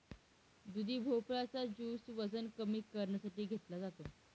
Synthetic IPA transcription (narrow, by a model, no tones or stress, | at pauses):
d̪ud̪ʱiːbʱoplat͡sad͡ʑuːsʋəd͡zənkəmiːkəɾɳasaʈiːɡʱet̪lad͡zat̪o